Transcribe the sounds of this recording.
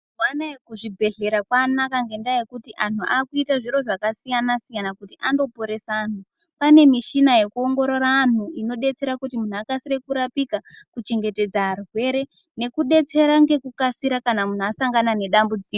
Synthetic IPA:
wanajekuʐibʱe̞ɮe̞ɾakwanakaŋɡe̞ndajekutiʔan̤uaːkuitaʐiɾo̞ʐakasijanasijanakutiʔando̞po̞ɾe̞saːn̤u | pane̞miʃinaje̞kuo̞ŋɡo̞ɾo̞ɾaːn̤uino̞ɗe̞t͡se̞ɾakutimun̤uakasire̞kuɾapikakut͡ʃe̞ŋɡe̞te̞d͡zaarɦwe̞ɾe̞ | ne̞kuɗe̞t͡se̞ɾaŋɡe̞kukasiɾakanamun̤uasaŋɡanane̞ɗambud͡ziko

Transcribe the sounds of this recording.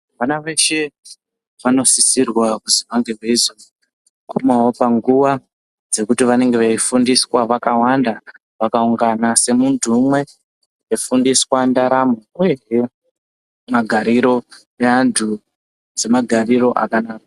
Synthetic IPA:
ʋanaʋe̞ʃe | ʋano̞sisirwakuzimaŋɡerweizo | kumawo̞paŋɡuʋa | d͡ze̞kutiʋane̞ŋɡe̞ʋeifundiswaʋakawanda | ʋakauŋɡanase̞muntʰumwe̞ | efundiswandaɾamoueɦe | maɡʱaɾiɾo̞ | eantʰu | d͡ze̞maɡʱariɾo̞ʔa̰kanaːka

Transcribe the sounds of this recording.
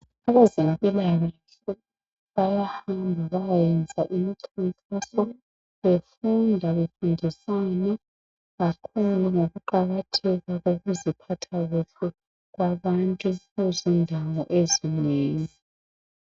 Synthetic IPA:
aβazimpʼilaɣe | ɬu | βajahambʱaβajjɛnd͡zʱaʔimiǀʰifʼisɔ | βefundʱaβefundʱisana | ɣakʰuluŋoɣuǃaɣatʰɛɣaɣoɣuzipʰatʰaɣuɬu | ɣwaβantʼuezindʱawɔʔezineːŋi

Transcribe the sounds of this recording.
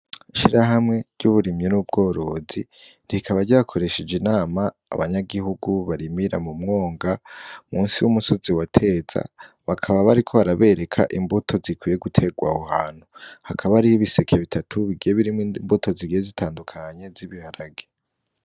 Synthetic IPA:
iʃiɾaɦamŋe̞ɾɟuβuɾimɲonub̚ɡo̞ːɾo̞zi | ɾiikʰaβaɾɟaakʰo̞ɾe̞ʃed͡ʒinaːma̰ːβaɲaɡihuɡuβaɾimiɾamumŋo̞ːŋɡamuːnsiwumuso̞ziwatʰe̞ːz̥a̰ | βakʰaβaβaɾikʰo̞βaɾaβe̞ɾe̞kʰa̰ʔimbutʰo̞zikwije̞ɡutʰe̞ɡwa̰hohaːn̥huhakʰaβaɾihiβise̞kʰe̞βitʰatʰuβiɡijeβiɾimbutʰo̞ziɡijezitʰaːndukʰaɲe̞ziβihaɾaɡe

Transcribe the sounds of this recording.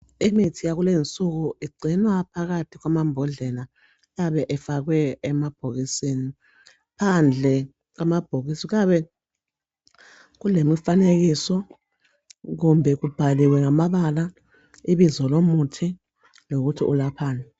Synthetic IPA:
imitʰijak̬ulent͡sʼuk̬uiɡ͡ǀʱinwapʰak̬atʰiɣwamambʱɔɮɛla | jaɓɛʔɛfak̬wɛːmab̥ʱoɣisini | pʰand͡ɮʱɛ | k̬amab̥ʱoɣ̬isik̬aɓɛ | kulemifanek̬isɔ | ɣ̬umbʱɛk̬ub̥ʱaliwɛŋamaɓala | iɓizɔlomutʰi | lok̬utʰḭʔulapʰaːna

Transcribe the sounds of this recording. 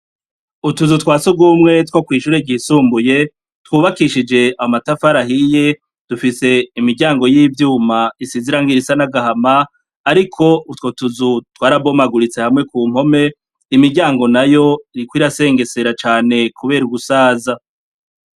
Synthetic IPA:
utuzutwaːsub̚ɡumŋe̞twokwiːʃuːɾeɟisuːmbuje̞ | twuːβakiʃid͡ʒe̞amatafaɾaɦije̞ | d̥ufise̞imiɾɟaːŋɡo̞jiːvjuːmaisiziɾaŋɡiɾisanaɡahamaː | ɾikʰo̞utko̞tuzutwaːɾabo̞maɡuɾit͡se̞hamŋe̞kuːm̥ho̞me̞ | imiɾɟaːŋɡo̞najo̞iikwiːɾase̞ːŋɡe̞se̞ɾat͡ʃaːne̞kʰuβe̞ːɾuɡusaːza

